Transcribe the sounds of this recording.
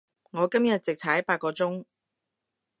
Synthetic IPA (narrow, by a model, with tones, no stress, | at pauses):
ŋɔː˨˧kɐ˥mjɐ˨t̚t͡sɪ˨k̚tʰɐ˨˥jpaː˧t̚kːɔː˧t͡sʊ˥ŋ